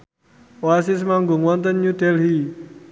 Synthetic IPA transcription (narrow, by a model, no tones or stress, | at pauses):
wasis̬maŋɡʊŋwɔnt̪ənɲudɛlɦi